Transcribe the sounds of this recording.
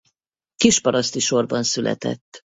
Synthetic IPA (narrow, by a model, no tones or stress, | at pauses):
kiʃpɒɾɒst̪iʃo̞rbɒnsylʔɛ̰t̪ɛ̰t̪ː